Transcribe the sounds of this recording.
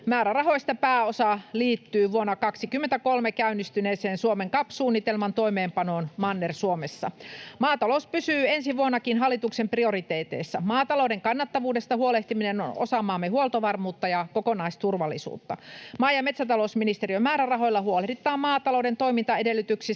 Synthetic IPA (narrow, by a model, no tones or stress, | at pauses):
mæːɾærɑɦo̞ist̪ɑpæːosɑliːt̪ːyːʋuonːɑkɑksikymːent̪ækolmekæynːist̪yneːseːnsuomeŋkɑpsuːnːit̪elmɑnt̪oimeːmpɑnoːnmɑnːersuomesːɑ̰mɑːt̪ɑlouspysyːensiʋuonːɑkinɦɑlːˑit̪uksemprio̞rit̪eːt̪ḛːsːæmɑːt̪ɑloudeŋkɑnːɑt̪ːɑʋuːdest̪ɑhuoleht̪imineno̰no̰sɑmɑːmːehuolt̪oʋɑrmuːt̪ːɑjɑkokonɑist̪urʋɑlːisṵːt̪ːɑ̰mɑːjɑmet̪sæt̪ɑlousminist̪eriømæːɾærɑɦo̞jlːɑhuoleit̪ːɑːmmɑːt̪ɑloudent̪o̞imint̪ɑedelːyt̪yksis